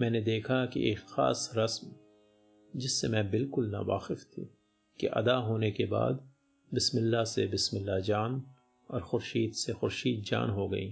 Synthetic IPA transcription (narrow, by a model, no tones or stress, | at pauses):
mɛ̃ːned̪eːkʰakḭʔeːkxa̰ːsɾɐsm | d͡ʒɪsːemɛ̃bɪlkʊlna̰ʋa̰ːxɪft̪ʰḭ | kḛʔɐ̰d̪aɦoːnekeba̰ːd̪ | bɪsmɪlːasebɪsmɪlːad͡ʒaːn | ɔːɾxʊɾʃiːd̪sexʊɾʃiːd̪̚d͡ʒa̰ːnɦoɡɐ̰iː